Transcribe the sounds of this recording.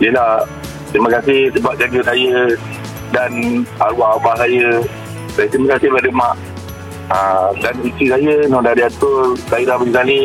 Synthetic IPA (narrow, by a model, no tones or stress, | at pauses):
ijəlah | t̪ɾiməkasɪhsəbap̚d͡ʒaɡəsajə | danaɾuaʔabahsajə | sajət̪ɾiməkasɪhbadəmaʔ | ãdanitisajənɔ̃daɾiat̪ʊrt̪aiɾabalikalɪ